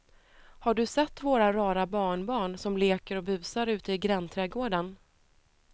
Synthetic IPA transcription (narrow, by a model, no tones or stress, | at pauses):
haɖɵsɛt̪ːvoːɾaɾɑːɾabɑːɳbɑːɳsɔmleːkəɾɔbʉ̟ːsaɾʉ̟ːt̪əɪɡɾɛnt̪ʰɾɛːɡoːɖan